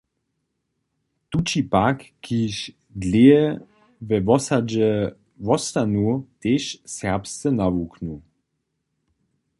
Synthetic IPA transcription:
t̪ut͡ʃipakːiʃ | dleɛ | vɛvɔsad͡ʒɛ | vɔst̪anut̪eʃsɛʁpst̪ɛnavuknu

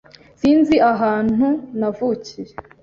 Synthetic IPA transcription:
siːnziʔaɦaːn̥hunavuːcije

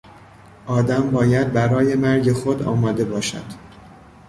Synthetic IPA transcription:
ʔɒːd̪æmbɒːjæd̪̚bæɾɒːje̞mæɾɟe̞xod̪ɒ̰ːmɒːd̪e̞bɒːʃæ̰d̪̥

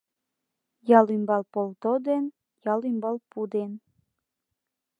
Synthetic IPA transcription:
jɑlimbɑlpolt̪od̪en | jɑlimbɑlpud̪en

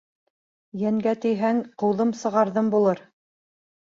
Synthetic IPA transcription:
jæŋɡæt̪ɘ̆jɦæŋqɤ̆wðɤmsɤ̆ʁɑɾðɤmbulˠɤɾ

